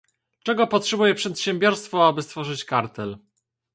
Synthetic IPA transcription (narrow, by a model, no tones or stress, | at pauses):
t͡ʂɛɡɔpɔtʂɛbujɛpʂɛt̪ɕɛmbʲjɔɾst̪fɔabɘst̪fɔʐɘt͡ɕkaɾt̪ɛl